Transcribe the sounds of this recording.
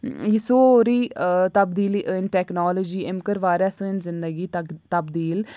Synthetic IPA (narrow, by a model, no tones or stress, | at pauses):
jisoːɾiːt̪əbd̪iːliːʔɪnʈɛːknaːlɔːd͡ʒiːʔɪmkəɾʋaːɾaːsə̃ːɪnzɪnd̪əɡiːt̪əbd̪iːl